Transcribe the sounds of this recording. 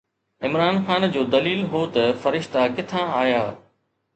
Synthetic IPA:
ɪmɾaːnxaːnd͡ʑoːd̪ɐliːlɦoːt̪ɐfɐɾɪʃt̪akɪt̪ʰãaːjaː

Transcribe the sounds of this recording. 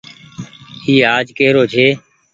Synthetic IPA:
iːaːd͡ʒkeːɾoːt͡ʃʰeː

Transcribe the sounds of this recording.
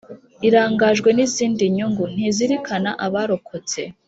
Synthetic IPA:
iɾaːŋɡaʒɡwe̞niziːndiɲuŋɡun̥hiziɾikʰanaʔaβaɾo̞kʰo̞t͡se̞̰

